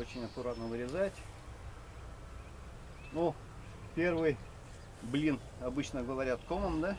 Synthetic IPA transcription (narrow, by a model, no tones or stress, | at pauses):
ot͡ɕɪnʲɐkʊɾat̪nəvɨɾʲɪzatʲ | nu | pʲe̞rvɨj | blʲin | ɐbɨt͡ɕnəɡəvɐɾʲat̪koməmd̪a